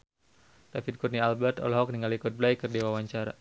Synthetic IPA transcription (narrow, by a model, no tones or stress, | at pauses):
t̪afid̚kut̪nialbɛrt̪ɔ̰lɦɔk̚niŋalikɔt̪̚blajkərdiwawaɲt͡ʃaɾa̰